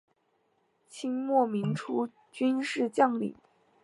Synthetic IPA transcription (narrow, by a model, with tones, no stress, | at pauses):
t͡ɕʰi˥ŋmwɔ˥˩mi˧˥ŋʈ͡ʂʰu˥ | t͡ɕy˥nʂɻ̩˥˧t͡ɕjɑ˥˩ŋlḭ˨˩˦